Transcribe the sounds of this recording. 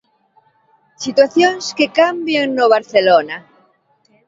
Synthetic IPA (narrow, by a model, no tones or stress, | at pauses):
sit̪waθjoŋskekambjeŋnoβ̞aɾθelona